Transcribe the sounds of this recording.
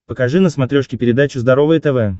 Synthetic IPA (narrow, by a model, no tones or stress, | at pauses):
pəkɐʐɨnəsmɐt̪ɾʲoʂkʲɪpʲɪɾʲɪd̪at͡ɕʊzd̪ɐɾovəjət̪ɛvɛ